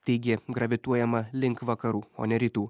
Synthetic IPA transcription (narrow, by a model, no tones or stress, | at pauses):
t̪ɐɪɡʲɪɡɾɐʋʲɪt̪uɔjɛmɐlʲɪŋkʋɐkɐɾuːo̰nʲɛɾʲiːt̪uː